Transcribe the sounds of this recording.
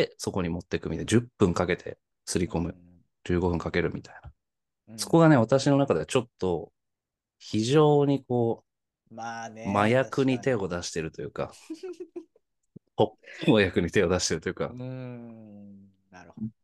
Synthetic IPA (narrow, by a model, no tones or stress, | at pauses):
eso̞ko̞ɲ̟imo̞t̪ːe̞kɯ̟mʲit̪ad͡ʑɨpːɯ̟̃ŋkake̞t̪ʰe̞̰ | sɨɾʲiko̞mɯ̟ | d͡ʑɨːɡo̞ɸɯ̟ŋkake̞ɾɯ̟mʲit̪aina | so̞̥ko̞ɡane̞βat̪aɕino̞nakad̪et͡ɕo̞t̪ːo̞ | çiʑo̞ːɲ̟iko̞ː | majakɯ̟ɲ̟it̪e̞o̞d̪aɕi̥t̪e̞ɾɯ̟t̪o̞jɯ̟ːka̰ | homajakɯ̟ɲ̟it̪e̞o̞d̪aɕi̥t̪e̞ɾɯ̟t̪ojɯ̟ka̰